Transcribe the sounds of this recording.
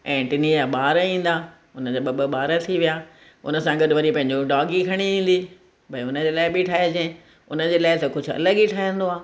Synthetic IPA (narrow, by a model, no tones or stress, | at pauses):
ɛ̃ːʈɪnijaɓaːɾəĩːn̆d̪aː | ʊnəd͡ʑaːɓɐɓəɓaːɾət̪ʰiʋijaː | ʊ̰nə̆sãɡɐɗʋɐɾipɐ̃ɦɪ̃ɲd͡ʑoɖaːɡikʰɐɽ̃iĩːn̆d̪i | bʱɐiʊnə̆d͡ʑeːlaːɪbiʈʰaːɦed͡ʑẽ | ʊnə̆d͡ʑeːlaːɪt̪ɐkʊd͡ʑʱʊ̆ɐ̰ləɠiʈʰaːɦijə̃nd̪oaː